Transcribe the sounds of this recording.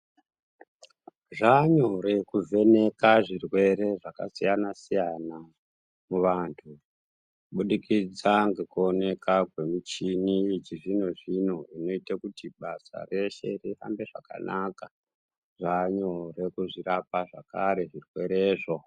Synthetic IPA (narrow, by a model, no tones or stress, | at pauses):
ʐaɲoɾe̞kuvʱe̞ne̞kaʐirwe̞ɾe̞ʐaka̰sijanasijana | muʋaːntʰu | ɓuɗikid͡zaŋɡe̞kuo̞ne̞kʰakwe̞mut͡ʃinit͡ʃiʐinoʐinoino̞itakutiɓasa̰re̞ʃe̞riɦa̰mbe̞ʐaka̰naka | ʐaɲore̞kuʐiɾapaʐakaɾe̞ʐirwe̞ɾe̞ːʐo̞